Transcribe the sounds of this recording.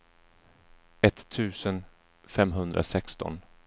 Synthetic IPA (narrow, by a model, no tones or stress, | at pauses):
ɛt̪ʰːʉ̟ːsən | fɛmɦɵnd̪ɾʔa̰sɛkst̪ɔ̰n